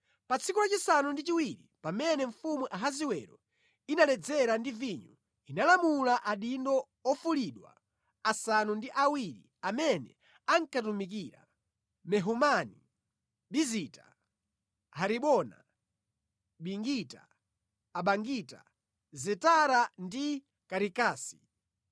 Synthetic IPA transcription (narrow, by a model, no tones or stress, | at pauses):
pat͡sʰikulat͡ʃisanundit͡ʃiwiɾipamɛnɛɱ̩fumuʔaɦaziwɛɾɔ̰ | inalɛd͡zɛɾandiviɲu | inalamulaʔaɗindɔ | ɔfuliɗwa̰ | asanundiʔawiɾḭ | amɛnɛ̰ | aŋkatumik̬iɾa̰ | mɛɦumani | ɓizita | ɦaɾiɓɔna̰ | ɓiŋɡita̰ː | ɓaŋɡita̰ | zɛtaɾandi | kaɾikaːsi̥